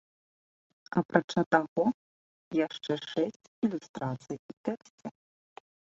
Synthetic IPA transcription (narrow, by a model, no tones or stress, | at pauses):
ɐpɾʔat͡ʂat̪aɣɔ | jaʂt͡ʂɛʂɛsʲt͡sʲilʲust̪ɾat̪sɨjut̪ɛksʲtʲɛ